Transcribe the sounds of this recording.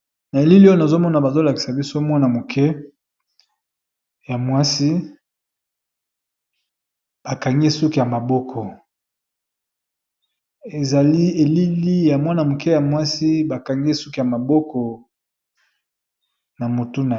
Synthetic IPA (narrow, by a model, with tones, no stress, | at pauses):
na˨e˨li˦li˦o˦jna˨zo˦mɔ˦na˨ba˨zo˦la˨ki˨sa˨bi˦so˦mwa˦na˨mo˨kʰɛ˦ | ja˨mwa˦si˦ | b̥a˨ka˨ŋɡi˦su˦ku˨ja˨ma˨bɔ˦kʰɔ˨ | e˨za˨li˦e˨li˦li˦ja˨mwa˦na˨mo˨kɛ˦ja˨mwa˦si˦ba˨ka˨ŋɡi˦su˦ki˨ja˨ma˨bɔ˦kʰɔ˨ | na˨mo˨tu˦na˨